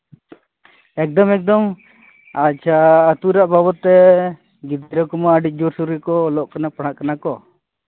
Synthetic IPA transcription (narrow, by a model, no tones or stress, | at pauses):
ɛk̚d̪ɔmɛk̚d̪ɔm | at͡ʃʰaːt̪uɾaʔbabɔt̪ːɛ | ɡid̪ɾɔkɔmaːɖic̚ˀd͡ʒuɾsuɾikɔlɔʔkanapaɽ̤̃aʔkanakɔ